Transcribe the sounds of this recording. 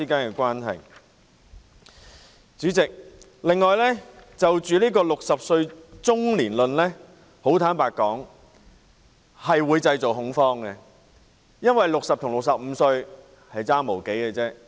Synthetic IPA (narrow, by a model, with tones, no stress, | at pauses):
iː˥kaː˨˥nkɛ˧kʷaː˥nɦɐ̰˨˩j | t͡syː˨˥t͡sɪ˨k̚ | lɪ˨ŋːɔː˨˧jlɛ˥t͡sɐ˨wt͡ʃyː˨nliː˥kɔː˧lʊ˨k̚sɐ˨p̚sɵ˧ɥt͡sʊ˥ŋliː˨˩nlɵ˨nlɛː˥ | ho˨˥wt̪ʰaː˨˥npaː˨k̚kːɔː˨˥ŋ | hɐ˨jwuː˨˥jt͡sɐ˧jt͡so˨˩wɦʊ˨˥ŋfɔː˥ŋɡɛ˧ | jɐ˥nwɐ˨jlʊ˨k̚sɐ˨p̚t̪ʰʊ˨˩ŋlʊ˨k̚sɐ˨p̚m̩˨˧sɵ˧ɥ | hɐ˨jt͡saː˥ŋmo˨˩wke˨˥jkɛ˧t͡sɛː˥